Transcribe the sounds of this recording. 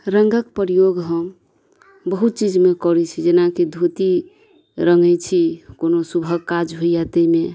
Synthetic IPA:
ɾəŋɡəkpɾijoɡɦəm | bəɦut̪̚t͡ʃid͡ʒmekɔɾit͡ʃʰid͡ʒenakid̪ʱut̪i | ɾəŋɡɛjt͡ʃʰikonosubʱəɡkad͡ʒɦoijat̪əme

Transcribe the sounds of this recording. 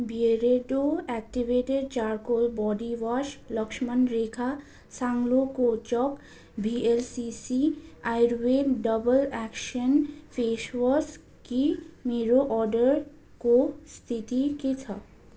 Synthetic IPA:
bieɾeɖoɛk̚ʈiʋeʈeɖ̚t͡ɕaɾkolbɔɖiʋaʃləkʃmənɾekʰa | saŋlokot͡ɕɔk | bʱielsisiajɾʋekɖəbəlɛkʃənfʰeʃʋəs | kimeɾoʔɔɾɖəɾ | kost̪ʰit̪iket͡ɕʰa̰

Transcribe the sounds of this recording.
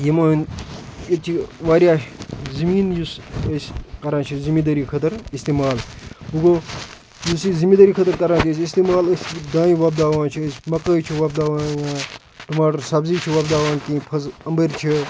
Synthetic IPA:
jimaːnjet͡ʃʰiʋaːɾjaːzɐmiːnjusəsʲkɐɾãːt͡ʃʰizimid̪ɐɾiːkʰɐt̪ɐɾist̪iːmaːlbuɡoː | jusizimid̪ɐːɾiːkʰɐt̪ɐɾkɐɾãːt͡ʃʰiəsʲist̪iːmaːləsʲd̪ãːjiʋɐb̚d̪aːʋãːnt͡ʃʰiəsʲmɐkəːjt͡ʃʰiʋɐːb̚d̪aːʋaːaː | ʈumaːʈɐɾsɐbziːt͡ʃʰiʋɐːb̚d̪aːʋaːnk̪ĩːpʰɐzɐmbɐɾʲt͡ʃʰi

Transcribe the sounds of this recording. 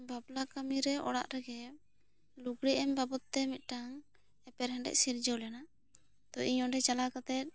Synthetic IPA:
bablakamiɾɛʔɔ̰ɽa̰ʔɾɛɡɛ | luɡɽiʔɛmbabɔt̪ːɛmit̪̚ˀʈaŋ | ɛpɛɾɦɛ̃ɖɛ̰ʔsiɾd͡ʒɔlɛnaʔ | t̪ɔʔiɲɔ̃ɖɛt͡ʃalakat̪ɛt̪̚

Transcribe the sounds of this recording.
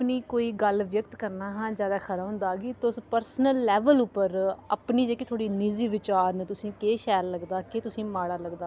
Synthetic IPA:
pniːkoːiːɡəlʋjəkt̪kəɾnaːɦãːd͡ʒjaːd̪aːkʰəɾaːʊ̃nd̪aːɡiːt̪ːspəɾsnəlːɛːʋəlʊpːəɾəpniːd͡ʒeːkit̪ʰoːɽiːnɪziːʋɪt͡ʃaːɾnt̪ʊsĩːkeːʃɛːlːəɡd̪aːkeːt̪ʊsĩːmaːɽaːləɡd̪aː

